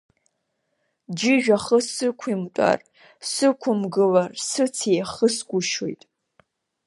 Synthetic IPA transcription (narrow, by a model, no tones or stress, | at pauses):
d͡ʒɪʒᶣaχəsɨkʷʰimtʷʼa̰r | sɨkʷʰʊmɡɨlarsɨt͡sʰejχəsɡʷʊʃojtʼ